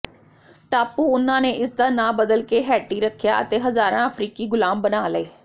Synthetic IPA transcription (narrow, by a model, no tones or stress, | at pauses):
ʈaːpuːʊnãːneːʔɪsd̪aːnãːbəd̪əlkeːɦɛːʈiːɾəkʰːjaːə̰t̪eːɦəzaːɾãːəpʰɾiːkiːɡʊlaːmbənaːləeː